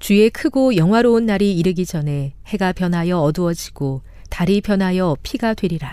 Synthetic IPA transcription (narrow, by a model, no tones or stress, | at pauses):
t͡ɕue̞kʰɯɡojʌŋɦwaɾounːaɾiiɾɯɡid͡ʑʌne̞he̞ɡapjʌnɦajʌʌduʌd͡ʑiɡ̥o | taɾipjʌnɦajʌpʰiɡadwe̞ɾiɾa